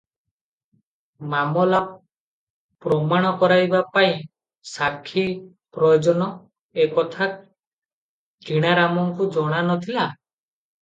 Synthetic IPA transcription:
mamɔla | pɾɔmaɽ̃ɔkɔɾajbapaĩ | sakʰːi | pɾɔjɔd͡ʒɔnɔ | ekɔt̪ʰa | kiɽ̃aɾamɔŋkud͡ʒɔɽ̃anɔt̪ʰila

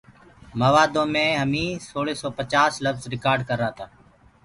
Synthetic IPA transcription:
məʋaːd̪õːmẽːɦəmĩːsoːɭiːsoːpət͡ʃaːsləfzɾɪkaːɾɖkəɾːaːt̪ʰaː

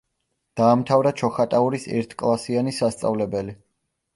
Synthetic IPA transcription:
d̪̥aːmt̪ʰavɾat͡ʃʰɔχat̪ʼauɾisɛ̰ɾt̪ʰkʼlˠasianisast̪sʼa̰vlɛbɛli

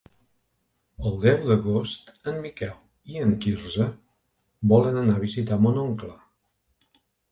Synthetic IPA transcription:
əlˠd̪ɛwd̪əɣost̪ənmikɛl | iəŋkiɾzə | bɔlənənaβ̞izit̪amonoŋkla

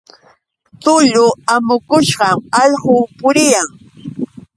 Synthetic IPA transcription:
t̪ʊʎʊamʊkʊʃɢɑmɑʎɢʊːpʊɾɪjaŋ

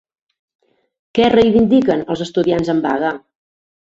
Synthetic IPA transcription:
kɛrejβind̪ikənəlˠzəst̪uðianzəmba̰ɣə

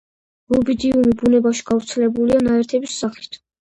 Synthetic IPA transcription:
ɾubid̪iumibunɛbaʃi̥ɡ̥avɾt̪sʰɛlɛbulianaɛɾt̪ʰɛbisːaχi̥t̪ʰ

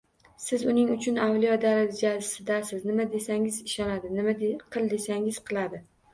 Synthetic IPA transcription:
sɪzʊnɪŋʊt͡ʃʰʊnawlijɒd̪alald͡ʒasɪd̪asɪznɪmad̪e̞saŋɪzɪʃɒnad̪ɪnɪmaqʰɨlˠd̪e̞saŋɪz̥qʰɨlˠad̪ɪ

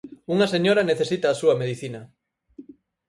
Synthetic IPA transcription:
uŋɐseɲoɾaneθesit̪aːsuɐmeð̞iθinɐ

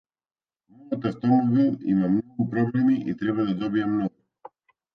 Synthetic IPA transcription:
nɔɡat̪ɛst̪ɔmɔvɛḭmamnɔɡupɾɔblɛmiʔḭt̪ɾɛβad̪ad̪ɔbiamnɔɡu

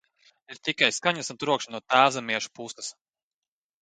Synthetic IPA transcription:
iɾt̪ikajskaɲasunt̪ɾuɔkʃnuɔt̪æːzamiɛʃu̥pust̪ɐ̥s

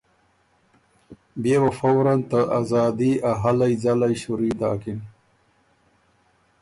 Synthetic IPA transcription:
bewafowɾant̪əʔazaːd̪iaɦalajd͡zalajɕuɾiːd̪a̰ːkin

